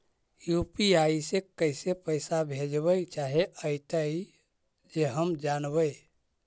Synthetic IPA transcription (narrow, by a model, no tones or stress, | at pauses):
jupiaisekəɪsepəɪsabʱed͡ʒbəjt͡ʃaɦeʔəɪt̪əj | d͡ʒeɦəmd͡ʒanbəj